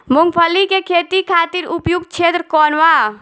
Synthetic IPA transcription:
muŋɡpʰəlikekʰet̪ikʰat̪iɾupjuɡt͡ʃʰet̪ɾəkɔnʋa

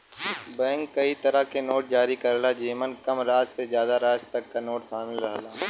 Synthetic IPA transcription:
bɛ̃ːŋkːɐit̪ɐɾəkenoːʈ̚d͡ʒaːɾikɐɾlad͡ʒiːmənkɐmɾaːt̪sezjaːd̪aɾaːst̪ɐkːanoːʈsaːmɪlɾɐɦlaː

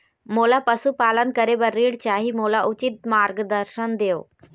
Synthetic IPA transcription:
moːlaːpəsupaːlənkəɾebəɾːiːɽt͡ʃaːɦimoːlaʔʊt͡ʃɪt̪̚maːɾɡd̪əɾʃənd̪eːo̰ː

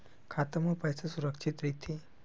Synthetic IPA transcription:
kʰat̪əmupəjt͡sasuɾəkʂit̪ɾit̪ʰi

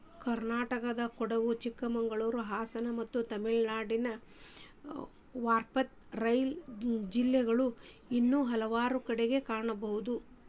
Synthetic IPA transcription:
kɐɾnaːʈɐkɐd̪ɐkɔɽɐʋut͡ʃikːɐmɐŋɡɐɭuːɾuɦaːsɐnɐmɐt̪ːut̪ɐmiɭnaːɽinɐ | ʋaːɾpɐt̪̚ | ɾɐjld͡ʒilːɛɡɐɭu | inːuɦɐlɐʋaːɾukɐɽeɡe̞kaːɳɐbɐɦud̪u

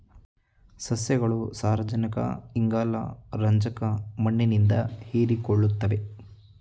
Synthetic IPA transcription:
sɐsjɐɡɐɭusaːɾɐd͡ʒɐnikɐ̰iŋɡaːlɐ̰ɾɐɲd͡ʒɐkɐmɐɳːinind̪ɐheːɾikoɭːut̪ːɐʋe̞

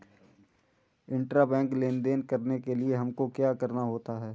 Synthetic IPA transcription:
ɪ̃ɳʈɾabɛ̃ːŋkleːnd̪eːnkɐɾnekelieɦɐmkokjaːkɐɾnaɦoːt̪aɦɛː

